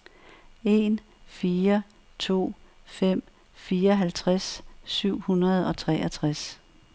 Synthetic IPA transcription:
e̝n | fiːɐ | t͡sʰo̝̰ːfem̰ | fiːɐɒɦælt͡sʰʁasːyʊ̰hunɐð̞̩ˠɒ̽t͡sʰʁɛ̰ːʔæt͡sʰʁas

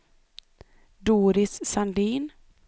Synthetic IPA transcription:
d̪uːɾɪsːand̪iːn

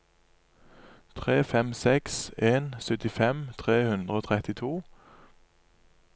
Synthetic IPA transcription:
t̪ʰʁeːfɛmsɛkseːnsœt̪ɪfɛmt̪ʰʁeːhʉnd̪ʁəoːt̪ʰʁɛt̪ɪt̪ʰuː

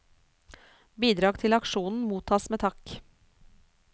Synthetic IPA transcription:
biːd̪ɾɑːɡt̪ʰɪlɑkʃuːnn̩muːt̪ʰɑːsmeːt̪ʰɑk

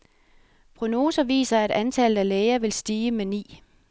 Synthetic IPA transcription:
pʰʁo̝no̝ːsɐʋḭːsɐæɾ̥ænt͡sʰælð̩ˠæleɪɐʋe̝lsd̥iːəmenḭː

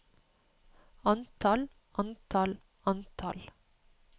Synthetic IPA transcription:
ɑnt̪ʰɑl | ʔɑnt̪ʰɑl | ɑnt̪ʰɑl

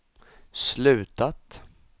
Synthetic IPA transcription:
slʉ̟ːt̪at̪

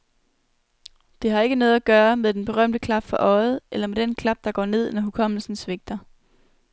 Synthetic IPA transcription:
d̥e̝hɑ̈e̝ɡ̥ənɔ̽ːð̞̩ˠæɡ̥ɶːɐmeðˠd̥enb̥e̝ʁɶm̰d̥əkʰlɑ̈b̥fɒ̽ʔɒ̽ɪð̩ˠelɐmed̥enkʰlɑ̈b̥̚d̥ɑ̈ɡ̥ɒ̰ːne̝ð̞̰ˠnɒɦukʰɒ̽m̰l̩sn̩sʋe̝ɡ̥̚d̥ɐ

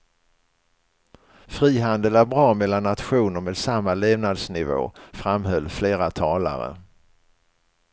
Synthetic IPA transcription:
fɾiːɦand̪əlæɾbɾɑːmɛlːanːat̪ɧuːnəɾmeːd̪samːaleːvnad̪snɪvo̰ːfɾamhœlːfleːɾat̪ʰɑːla̰ɾə̰

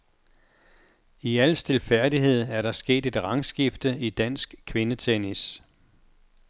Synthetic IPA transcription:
iæl̰sd̥e̝lfæɐ̰diɦe̝ð̞̰ˠæɐɾɑ̈sɡ̥e̝̰ːd̥e̝d̥ʁɑ̈ŋsɡ̥ifd̥əid̥æn̰sɡ̥kʰʋe̝nət͡sʰenis

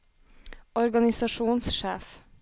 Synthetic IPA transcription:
ɔɾɡɑnɪsɑʃuːnsʃeːf

